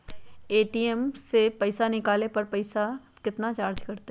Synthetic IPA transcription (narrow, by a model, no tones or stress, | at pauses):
eːʈiːɛmsepɐɪsanɪkaːlepɐɾpɐɪsa | kɪt̪nat͡ʃaːɾd͡ʒkɐɾt̪e